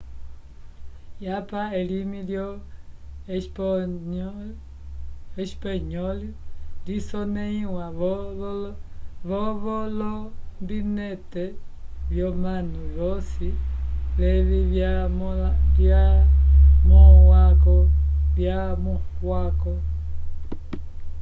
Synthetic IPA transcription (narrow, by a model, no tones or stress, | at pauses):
japaelimiljɔ | eʃpaɲɔlilisɔnɛiwaβ | βɔβɔlɔmbinɛtɛβjɔmanuβɔsilɛβiβamβja | mɔhwakɔβjamɔhwakɔ